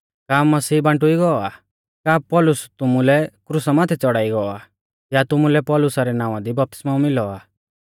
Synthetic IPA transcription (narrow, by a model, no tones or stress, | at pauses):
kaːmːɐsiːbãɳʈʊiɡɔɔa | kaːpɔlʊst̪ʊmulɛkɾusamaːt̪ʰɛt͡sɔɽaːiɡɔɔa | jat̪ʊmulɛpɔlʊsaɾɛnãːʋ̃ãd̪ibɐp̚t̪ɪ̥smaːũmɪlɔaː